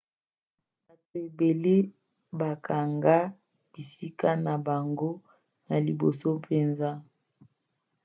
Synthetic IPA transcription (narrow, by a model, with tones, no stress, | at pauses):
ba˨to˨e˨be˨le˦ | ba˨kʰa˨ŋɡa˦ | b̥i˨si˦ka˦na˨ba˨ŋɡo˦ | na˨li˨bo˨so˦pʰe˨nza˦